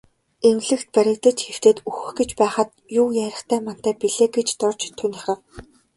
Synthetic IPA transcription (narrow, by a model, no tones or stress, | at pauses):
emɡɮɘ̆kt̪̚pæɾʲɪ̆kt̪ə̆t͡ɕxew̥t̪eːt̪uxɵ̆xɡet͡ɕpæːχə̆t̪ | juːjæːɾʲɪ̆χt̪ʰæːman̥t̪æːpiɮeːɡet͡ɕt̪ɔrt͡ɕt̪ʰːunʲiχə̆w